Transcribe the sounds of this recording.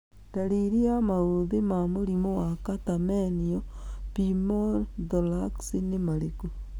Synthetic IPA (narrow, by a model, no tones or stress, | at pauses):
daɾiɾiamaoðemamoɾimowakatameniopimondolaksinemaɾeko